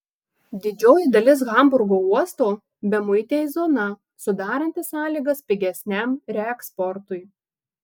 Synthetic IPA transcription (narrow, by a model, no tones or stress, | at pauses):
d̪ʲɪd͡ʒʲoːjɪd̪ɐlʲɪs̬ɣɐmbʊɾɡoːuɔst̪oː | bʲɛmʊɪt̪ʲeːjzoːnɐ | sʊd̪ɑːɾɐnʲt̪ʲɪsɑːlʲiːɡɐspʲɪɡʲɛsʲnʲæˑmɾʲɛɛkspɔɾt̪ʊɪ